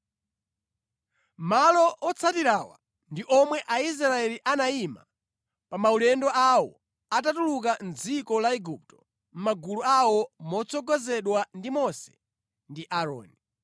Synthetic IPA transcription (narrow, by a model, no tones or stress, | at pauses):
malɔʔɔt͡sʰatiɾawa̰ | ndiʔɔmwɛʔais̬ɾaɛliʔanaima | pamaulɛndɔawɔ | atatulukand͡zikɔlaɛɡup̚tɔ̥ | m̩maɡuluawɔmɔt͡sʰɔɡɔzɛɗwandimɔsɛ̥̰ | ndiʔaɾɔ̰ːni